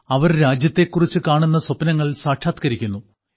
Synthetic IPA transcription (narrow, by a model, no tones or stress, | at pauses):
ɐʋɐɾɾaːd͡ʑjɐt̪ːe̞kːurit͡ɕːɨkaːɳunːɐsopnɐŋːɐɭsaːʈʰaːt̪kɐɾikʲːunːu